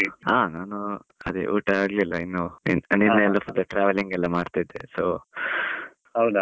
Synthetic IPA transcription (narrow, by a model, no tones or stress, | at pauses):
ɦaːnaːnuɐd̪ḛʔuːʈɐaːɡlilːɐinːuḭnninːɐɛlːɐfʰɔɾd̪ɐʈɾaːʋeliŋɡɛlːɐmaːɖt̪id̪ːḛsoː | ɦɐwd̪u